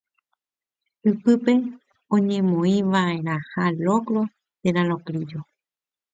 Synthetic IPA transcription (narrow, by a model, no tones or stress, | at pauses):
ɨpɨpe̞ | õɲẽ̞mõĩʋae̞ɾahalokɾo̞ | t̪eɾãɾõkɾid͡ʒo